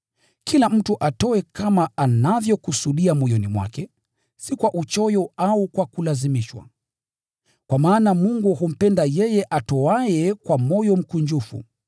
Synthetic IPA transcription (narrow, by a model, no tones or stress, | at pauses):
kilam̩tuʔatɔɛkamaanavjɔkusuɗiamɔjɔnimwa̰kɛ | sikwaʔut͡ʃɔjɔaukwakulazimiʃwa̰ | kwamaːnamuŋɡuhum̩pɛndajɛjɛʔatɔajɛkwamɔjɔm̩kuɲd͡ʒufṵ